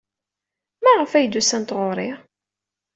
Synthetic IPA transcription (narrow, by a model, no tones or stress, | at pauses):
mæʁəfæjd̪usænt̪ʁʊɾˤɪʁ